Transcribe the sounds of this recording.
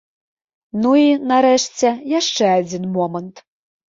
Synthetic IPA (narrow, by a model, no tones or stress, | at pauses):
nuinɑɾeʃt͡sʲejɑʃt͡ʃeɑd͡zʲinmomənt̪